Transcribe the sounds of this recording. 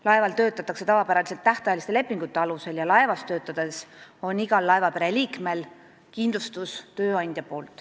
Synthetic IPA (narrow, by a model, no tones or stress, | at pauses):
lɑe̞vɑlt̪ø̞ːt̪ːˑɑt̪ːˑɑkse̞t̪ɑvɑpæɾɑliselt̪ːæht̪ɑjelist̪e̞le̞pˑːiŋɡ̥ut̪ˑːe̞ɑluse̞ljɑlɑevɑst̪ø̞ːt̪ːˑɑd̪̥e̞so̞niɡ̥ɑlːɑevɑpeɾe̞liːkme̞l | kind̪lust̪ust̪ø̞ːɑnʲd̪̥jɑpo̞ːlt̪ˑ